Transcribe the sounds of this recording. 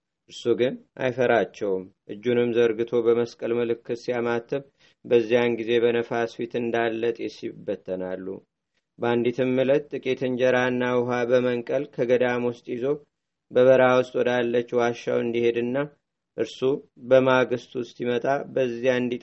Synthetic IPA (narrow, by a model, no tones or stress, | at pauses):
ʔɨɾsuɡɨnʔa̰jfəɾat͡ʃːɛwmʔɨd͡ʒːunɨmzəɾɡɨt̪ʰo̞bəməskʼəlmɨlɨkːɨsijamat̪ʰːɨβ | bəzːijanɡize̞βənəfasfit̪ɨnd̪alːət̪ʼesibːət̪ʰːənalːṵ | band̪it̪ʰɨmːɨlət̪ːʼɨkʼet̪ʰɨnd͡ʒɛɾaɨnːawʊɦabəməŋkʼəlkʰəɡəd̪amwʊst̪ʼjizo̞ | bəβəɾawʊst̪ʼwɔd̪alːət͡ʃːwaʃa̰wɨnd̪ihe̞d̪ɨnːa | ʔɨɾsubəmaɡɨst̪ʼwʊst̪jimət̪ʼabəzːijaɨnd̪it̪